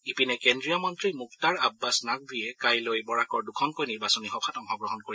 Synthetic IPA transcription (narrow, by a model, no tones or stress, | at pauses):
ipinɛkɛndɹijamɔntɹimuktaɹabːasnak̚bijɛkajlojbɔɹakɔɹdukʰɔnkojniɹbasɔnixɔpʰatɔŋɦɔɡɹɔɦɔnkoɹi